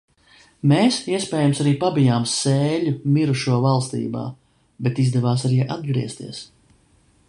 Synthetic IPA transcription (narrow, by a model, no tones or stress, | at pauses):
meːsiɛspʲɛːjamsaɾiːpabijaːmseːʎʲumiɾuʃuɔvalˠst̪ḭːba̰ː | bet̪izd̪ɛvaːs̬aɾiːʔad̪̚ɡɾiɛst̪ḭɛs